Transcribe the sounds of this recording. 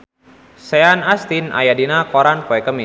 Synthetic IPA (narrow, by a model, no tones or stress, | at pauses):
sɛanast̪inʔa̰jadinakɔɾanpɔɛkəmi